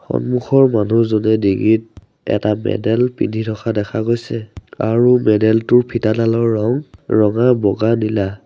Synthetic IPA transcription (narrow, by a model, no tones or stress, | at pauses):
xɔ̰nmuxɔɹmanuzɔnɛdiɡit̚ | ɛ̰tamɛ̰dɛlpḭnitʰɔkʰadɛkʰaɡojsɛaɹumɛdɛltʊɹpʰitadalɔɹːɔŋɹɔŋabɔɡanila